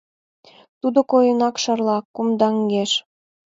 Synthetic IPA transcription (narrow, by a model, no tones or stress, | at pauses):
t̪ud̪ŏkojɤnɑkʃɑrlˠɑkumd̪ɑŋɡeʃ